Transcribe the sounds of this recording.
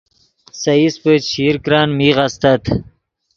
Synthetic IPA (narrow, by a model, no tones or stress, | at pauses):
sɐispət͡ɕʰiːɾkɾaːnmiʁast̪ɐt̪ʰ